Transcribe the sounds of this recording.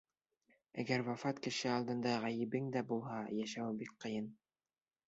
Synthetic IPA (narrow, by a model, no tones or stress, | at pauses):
æɡæɾwɑfɑt̪kɘ̆ʃɘɑlˠd̪ɤ̆nd̪ɑʁæjɘ̆bɘŋd̪æbulˠhɑjæʃæwbik̚qɤ̆jɤn